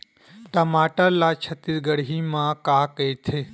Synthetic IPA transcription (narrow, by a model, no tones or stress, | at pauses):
ʈɐmaːʈalat͡ʃʰət̪iɾɡəɽɦimãːkaːket̪ʰe